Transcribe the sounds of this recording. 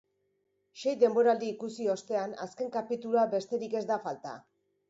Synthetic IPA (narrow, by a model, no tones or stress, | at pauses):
ʃe̞jd̪e̞mbo̞ɾald̪iːkusio̞st̪e̞ana̰ske̞ŋkapit̪ulabe̞st̪e̞ɾike̞zd̪afalt̪a̰